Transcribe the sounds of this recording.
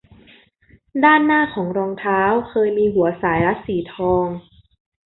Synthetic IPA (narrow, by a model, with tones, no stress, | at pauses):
daː˥˩nːaː˥˩kʰɔː˩˦ŋɾɔː˧ŋt̪ʰaː˦˥wkʰɤː˧jmiː˧ɦu˩˦ɐsaː˩˦jla˦˥siː˩˦t̪ʰɔː˧ŋ